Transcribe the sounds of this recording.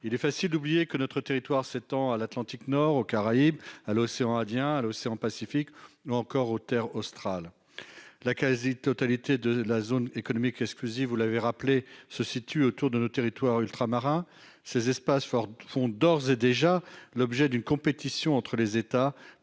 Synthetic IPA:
ilɛfasild̪ublijekənɔt̪χət̪eʁit̪waʁset̪ɑ̃alat̪lɑ̃t̪iknɔʁokaʁaibaloseɑ̃ɛ̃d̪jɛ̃aloseɑ̃pasifikuɑ̃kɔʁot̪ɛʁost̪χal | lakazit̪ɔt̪alit̪ed̪əlazonekɔnɔmikɛksklyzivːulaveʁaplesəsit̪yot̪uʁd̪ənot̪eʁit̪waʁylt̪χamaʁɛ̃ | sezɛspasfɔfɔ̃d̪ɔʁzed̪eʒalɔbʒɛd̪ynkɔ̃pet̪isjɔ̃ɑ̃t̪χəlezet̪a

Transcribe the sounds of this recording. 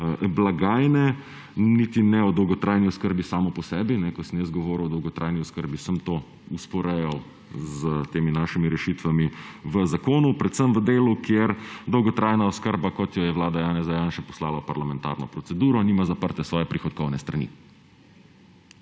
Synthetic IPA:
blaɡaːjnɛ | nit̪inɛɔd̪ɔwɡɔt̪ɾʔaːjniɔskəɾbisaːmɔpɔsɛːbinɛkɔsəmjəszɡɔʋɔːɾuwɔd̪ɔwɡɔt̪ɾʔajniɔskəɾbisəmt̪oː | uspɔɾɛjɔw | zət̪eːminaʃimiɾɛʃit̪ʋamiʋəzakoːnupɾɛt̪səmʋəd̪eːlukjeɾd̪ɔwɡɔt̪ɾaːjnaɔskəɾbakɔt̪jɔjɛwlaːd̪ajaːnɛzajaːnʃɛpɔ̥slaːlapaɾlamɛnt̪a̰ːɾnɔpɾɔt̪sɛd̪uːɾɔniːmazapəɾt̪ɛsʋɔːjɛpɾixɔd̪̚kɔwnɛst̪ɾanḭ

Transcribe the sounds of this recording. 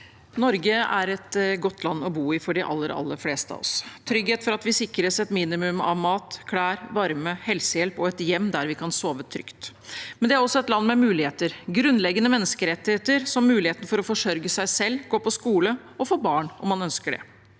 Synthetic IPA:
nɔɾɡəæ̰ɾɛt̪ɡɔt̪ʰːlɑnːɔbuːɪfɔɖɪʔɑ̰lːəɾɑ̰lːə̰fleːst̪əɑ̰ɔ̰st̪ʰɾʏɡheːt̪fɔɾɑt̪ʋɪsɪkɾəsɛt̪miːnɪmʉmɑ̰ʋmɑːt̪kʰɽæːɾʋɑɾməhɛlsəjɛlpɔɛt̪jɛmːd̪æɾʋɪkʰɑnsoːʋət̪ʰɾʏ̰kt̪ | mɛnd̪ɛæɾɔsːɔɛt̪lɑnːmɛmʉːlɪheːt̪əɾɡɾʉnːlɛɡənəmɛnːəskəɾɛt̪ːɪheːt̪ːəɾsɔmːʉːlɪheːt̪n̩fɔɾɔfɔʂœɾɡəsæɪsɛlːɡoːpʰɔskuːlə | ɔfoːbɑːɳɔmːɑnœnskəɖɛ̰

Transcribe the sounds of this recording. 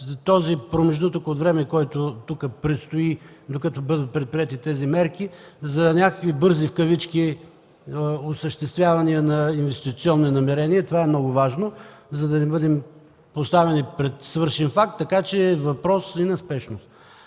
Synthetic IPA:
t̪ɔzipɾomɛʒnut̪əkot̪vɾɛmɛkɔjt̪ʊt̪ukəpɾɛt̪st̪oid̪okɐt̪ɔbɤd̪ət̪̚pɾɛt̪̚pɾiɛt̪it̪ɛzimɛɾkizɐnʲakəkvibɤɾzifkɐvit͡ʃki | osəʃt̪ɛst̪vʲjavɐniənɐinvɛst̪it̪siɔnːinɐmɛɾɛniɛt̪ovaɛmnɔɡʊvaʒnozɐd̪ɐnɛbɤd̪ɛm | post̪avɛnipɾɛt̪svɤɾʃɛnfak̚t̪ːɐkat͡ʃɛːvɐpɾɔsinɐspɛʃnost̪

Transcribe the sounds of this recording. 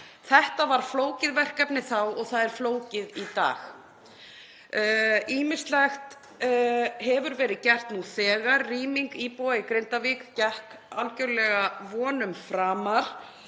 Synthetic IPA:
θɛht̪avaɾ̥floːwcɪðvɛr̥kapnɪθawɔɣθaðɛɾ̥floːwcɪðit̪a̰ːx | iːmɪ̥st̪lɛxt̪ | ɦɛvʏɾvɛːɾɪðcɛr̥t̪nuθɛːɣaɾːiːmiŋkiːpɔɪkɾent̪avikcɛhk | awlcœɾlɛɣavɔːnʏmfɾaːmaɾ̥

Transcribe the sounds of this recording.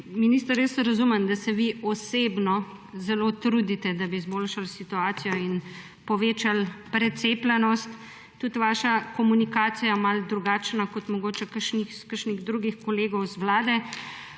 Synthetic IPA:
minist̪əɾesɾazumənd̪asɛʋiɔsebnɔ | zɛlot̪ɾud̪it̪ɛd̪abizbolʃalsit̪uaːt̪sijɔin | pɔʋeːt͡ʃalpɾɛt̪seːplɛnɔst̪ː | ut̪ʋaːʃakɔmunikaːt̪sijamald̪ɾuɡaːt͡ʃnakɔt̪mɔɡoːt͡ʃɛkəɾʃnixskəɾʃniɣd̪ɾuɡixkɔleːɡɔwzʋlaːd̪ɛ

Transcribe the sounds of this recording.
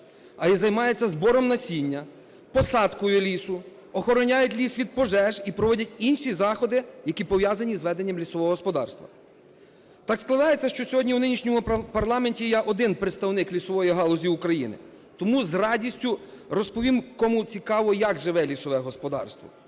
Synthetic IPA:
ɐizɐjmɑjet͡sʲːɐzbɔɾɔmnɐsʲinʲːɐ | pɔsɑt̪kɔjʊlʲisʊ | ɔxɔɾɔnʲajʊtʲlʲisʋʲid̪̚pɔʒɛʒipɾɔʋɔdʲɐtʲinʃizɑxɔd̪ɪjɐkʲipɔʋjɑzɐnʲizʋɛd̪enʲːɐmlʲisɔʋɔɦɔɦɔspɔd̪ɑ̰rst̪ʋɐ̰ | t̪ɑksklˠɐd̪ɑjet͡sʲːɐʃt͡ʃɔsʲɔɦɔdʲnʲiwnɪnʲiʃnʲɔmʊpɐrlˠɑmenʲtʲijɛʔɔd̪ɪnpɾet̪st̪ɐwnɪklʲisɔʋɔjiɦɑlˠɔzʲiukɾɐjḭnɪ̰ | t̪ɔmuzrɑdʲisʲtʲʊɾɔspɔʋʲimkɔmut͡sʲikɑʋɔjɐɡʒɪʋɛlʲisɔʋɛɦɔspɔd̪ɑ̰rst̪ʋɔ̰

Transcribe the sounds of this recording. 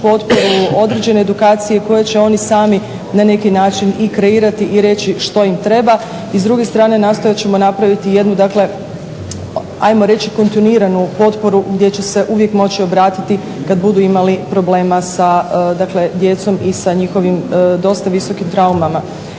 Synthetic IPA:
po̞t̪poɾuo̞d̪ɾe̞d͡ʑe̞ne̞ːd̪ukaːt̪sijeko̞jet͡ɕe̞o̞nisaːmi | nane̞kinaːt͡ʃinikɾe̞iːɾat̪iʔiɾe̞t͡ɕiʃt̪o̞imt̪ɾe̞ba | izd̪ɾuɡe̞st̪ɾaːne̞naːst̪o̞jat͡ɕe̞mo̞napɾaʋit̪ije̞d̪nud̪akle̞ | a̰jmo̞ɾe̞t͡ɕiko̞nt̪iniːɾanupo̞t̪po̞ɾuɡd̪je̞t͡ɕe̞se̞ʔuʋje̞kmo̞t͡ɕio̞bɾaːt̪it̪i | kad̪bud̪uimalipɾo̞ble̞ːmasad̪akle̞d̪je̞t̪so̞misaɲixo̞ʋimd̪o̞st̪aʋiso̞kimt̪ɾaumama

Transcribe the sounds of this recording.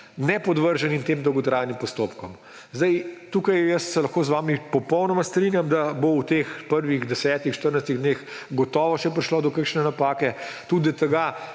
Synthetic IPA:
nɛpɔd̪ʋəɾʒɛnint̪eːmd̪ɔwɡɔt̪ɾaːjnimpɔst̪opkɔm | zd̪ajt̪uːkajjəst̪sɛlɐxkoːzʋaːmipɔpɔwnɔmast̪ɾinjamd̪abowt̪expəɾʋiɣd̪ɛsɛːt̪ixʃt̪əɾnajst̪iɣd̪nex | ɡɔt̪ɔːʋɔʃɛp̬ɾiʃlod̪ɔkəkʃnɛnapaːkɛt̪ud̪it̪ɛɡa

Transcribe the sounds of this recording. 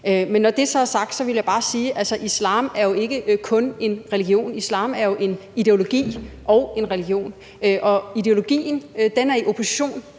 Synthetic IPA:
ømenːɒd̥e̝sɒ̽æɐsɑ̈ɡ̥̚d̥sɒ̽ʋe̝ljaɪb̥ɑ̈ːsiːʔælsəʔislɑ̰̈ːmæɐjo̝e̝ɡ̥əkʰɔ̽ne̝nʁɛliɡ̥jo̝̰ːnislɑ̰̈ːmæɐjo̝ʔe̝nid̥e̝o̝lo̝ɡ̥ḭːʔɒ̽ʊe̝nʁɛliɡ̥jo̝̰ːn | øʔɒ̽id̥e̝o̝lo̝ɡ̥ḭːn̩d̥enæɐiʔopʰo̝si̥ɕo̝̰ːn

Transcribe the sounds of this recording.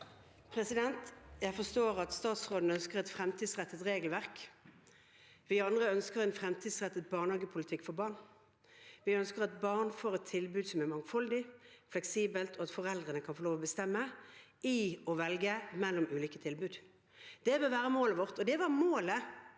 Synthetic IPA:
pʰɾɛsɪd̪ɛnt̪jæɪfɔʁst̪oːʁɑt̪st̪ɑːt̪sʁoːd̪n̩œnskəʁɛt̪fɾɛmt̪ʰiːd̪sʁɛt̪ːət̪ʁeːɡəlʋæʁk | ʋɪɑnd̪ʁəœnskəʁɛnfʁɛmt̪ʰiːd̪sʁɛt̪ːət̪̚bɑːnhɑːɡəpʰʊlɪt̪ʰɪkːfɔʁbɑʁɳ | ʋɪœnskəʁɑt̪̚bɑʁnfoːʁɛt̪ʰːɪlbʉːd̪sɔmæmɑŋfɑld̪ɪflɛksiːbəlt̪ʰɔɑt̪fɔʁɛld̪ʁənəkʰɑnfɔʁloːʋɔbəst̪ɛmːə | ɪɔʋɛlɡəmɛlːʊmʉːliːkət̪ʰɪlbʉːd̪ | d̪̥ɛbøʋæːʁəmoːləʋɔʁt̪ɔd̪ɛʋɑʁmoːlə

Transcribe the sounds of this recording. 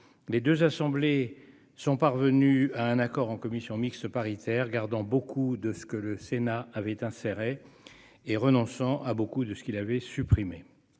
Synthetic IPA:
led̪øzasɑ̃ble | sɔ̃paʁvənyaɛ̃nakɔʁɑ̃kɔmisjɔ̃mikst̪əpaʁit̪ʰɛʁɡaʁd̪ɑ̃bokʰud̪əsə̥kələsenaavɛt̪ɛ̃seʁeː | ʁənɔ̃sɑ̃ʔabokud̪əsə̥kʲilavɛsypχime

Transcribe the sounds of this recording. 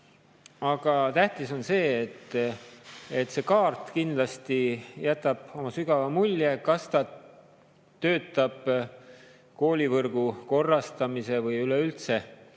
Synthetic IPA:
ɑɡ̥ɑt̪æht̪iso̞nse̞ːt̪ː | et̪se̞kɑːrt̪kind̪lɑst̪ijæt̪ːˑɑb̥o̞mɑsyɡɑvɑmulʲjekɑst̪ɑ | t̪ø̞ːt̪ˑːɑb̥ | ko̞ːlʲivɤrɡ̥uko̞rːɑst̪ɑmise̞vɤjyleylt̪se̞

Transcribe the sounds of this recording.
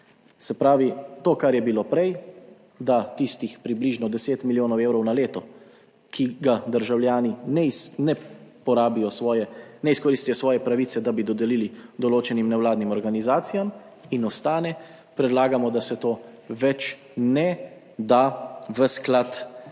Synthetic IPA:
sɛpɾaːʋit̪oːkaɾjɛbiloːpɾɛj | d̪at̪ist̪ixpɾibliʒnɔd̪ɛseːt̪miljoːnɔweːwɾɔwnaleːt̪ɔ | kʰiɡad̪əɾʒawljaːninɛnɛpɔɾaːbijɔsɔjɛnɛiskɔɾiːst̪ijɔsʋɔːjɛpɾaʋiːt̪sɛd̪abid̪ɔd̪ɛliːlid̪ɔloːt͡ʃɛnimnɛwlaːd̪nimɔɾɡanizaːt̪sijam | inɔst̪aːnɛ | pɾɛd̪laːɡamɔd̪asɛt̪oː | ʋɛt͡ʃ | nɛ | d̪aʋəsklat̪

